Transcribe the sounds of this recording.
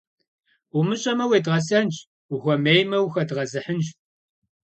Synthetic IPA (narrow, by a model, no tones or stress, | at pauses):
umɨɕʼɐmɐweːdʁɐsɐnt͡ʃ | uxʷɔmeːjmɐwxɐdʁɐzɨħənʒ